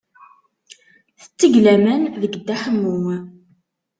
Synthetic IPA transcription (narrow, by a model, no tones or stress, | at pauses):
θə̥t͡sːəʝlæmænðəɡəd̪ːæħəmːuŋ